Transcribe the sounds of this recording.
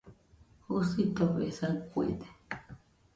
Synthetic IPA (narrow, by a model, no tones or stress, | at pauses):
husit̪oβḛsakʷḭt̪e̥